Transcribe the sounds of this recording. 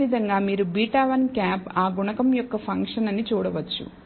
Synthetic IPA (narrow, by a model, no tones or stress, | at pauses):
id̪ʱɐŋɡaːmiːɾubiːʈaːʋɐnkaːpaːɡuɳɐkɐmjɔkːɐpʰɐŋkʂɐnɐnit͡ʃuːɽɐʋɐt͡ʃːṵ